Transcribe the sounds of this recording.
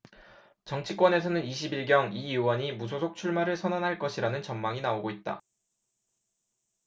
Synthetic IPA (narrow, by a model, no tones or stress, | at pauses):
t͡ɕʌŋt͡ɕʰik͈wʌne̞s̬ʰʌnɯniɕ̬ʰibiɭɡjʌŋiiwʌɲimusʰosʰok̚t͡ɕʰuɭmaɾɯɭsʰʌnanɦaɭk͈ʌɕʰiɾanɯnt͡ɕʌmmaŋinaoɡoit̚t͈a̰